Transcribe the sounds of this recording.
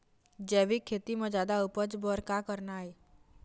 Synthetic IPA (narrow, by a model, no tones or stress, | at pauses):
d͡ʒɛːʋikʰːeːt̪imẽd͡ʒaːd̪aʊpət͡ʃbɔɾkakəɾnaːɦi